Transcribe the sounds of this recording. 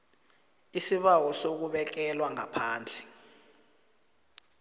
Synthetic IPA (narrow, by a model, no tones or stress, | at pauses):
isiɓawɔsok̬uɓɛk̬ɛlwaŋapʰaːnd͡ɮʱɛ